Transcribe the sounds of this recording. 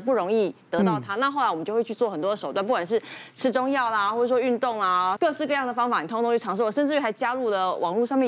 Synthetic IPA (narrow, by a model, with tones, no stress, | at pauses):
pu˥˩ɻo˧˥ŋi˥˩t̪ɤ˧˥t̪ɑ˥˩ʊt̪ʰa˥na˥˧xo˥˩la˧˥wmə˦jo˥˧we˥˧t͡ɕʰy˥˧t͡swɔ˥˩xə˨˩nt̪wɔ˥d̪ə˩ʂo˨˩ʊt̪wa˥˧np̬u˥˩wa˨˩nʂɻ̩˥˩ʈ͡ʂʰɻ̩˥ʈ͡ʂʊ˥ŋjɑ˥˩ʊlə˩xwɔ˥˩ʈ͡ʂ̩˩ʂwɔ˥y˥˧nt̪ʊ˥˩ŋlə˩kɤ˥˧ʂɻ̩˥˧kɤ˥˧jɑ˥˩ŋd̪ə˩fɑ˥ŋfa˨˩ni˨˩t̪ʰo˥ŋt̪o˥˧ŋy˥˩ʈ͡ʂʰɑ˧˥ŋʂɻ̩˥˩wɔ˨˩ʂə˥˧ʈ͡ʂɻ̩˥˩˥xɪt͡ɕja˥lu˥˩d̪ə˩wʔɑ̰˨˩ŋlu˥˧ʂ̬ɑ˥˧ŋmjɛ˥˩